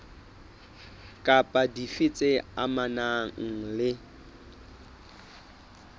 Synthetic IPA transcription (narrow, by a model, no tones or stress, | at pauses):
kʼapʼadifɪt͡sʼɪa̰manaŋ̩lɪ